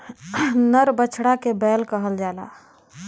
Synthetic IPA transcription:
nəɾbət͡ʃʰɽakebɛlkəɦəld͡ʒala̰

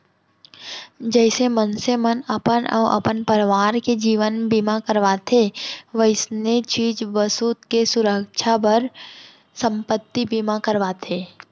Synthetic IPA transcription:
d͡ʒɛːsemənsemənɐpənɔ̰ːʔɐ̰pənpəɾʋaːɾked͡ʒiːʋənbimakəɾʋat̪ʰeʋəɪsnet͡ʃiːd͡ʒʋəsuːt̪kesʊɾəkʃʰapəɾ | sə̃mpət̪ːibimakəɾʋaːt̪ʰeː

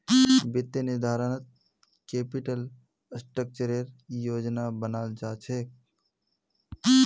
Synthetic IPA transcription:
bɪt̪jənid̪ʱaːɾənət̪̚ | keːpiʈəl | sʈɾək̚t͡ʃəɾeɾjoːd͡ʒnabənaːld͡ʒaːt͡ʃʰeːk

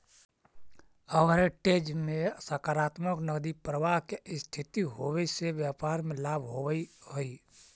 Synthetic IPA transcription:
əʋɾeʈed͡ʒmẽsəkaɾaːt̪məknəɡd̪ipɾəʋaɦkeɪst̪ʰit̪iɦowɛiseʋjapaɾmelaːbʱɦoʋəiɦoi

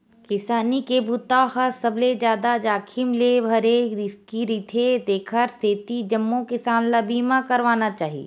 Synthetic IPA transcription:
kɪsaːnikebut̪ahɐɾsəbled͡ʒjaːd̪ad͡ʒaːkʰɪmlebʱɐɾeɾɪskiɾiːt̪ʰed̪eːkʰəɾseːt̪id͡ʒɐmːokɪsaːnlabʱiːmãkɐɾʋaːnat͡ʃaːɦiḛː

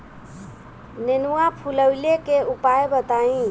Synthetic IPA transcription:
nenuwapʰuləwlekeupajbət̪aĩ

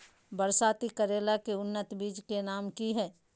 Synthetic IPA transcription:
bəɾsaːt̪ikəɾeːlakeʊnːət̪biːd͡ʒkenaːmkiɦɛː

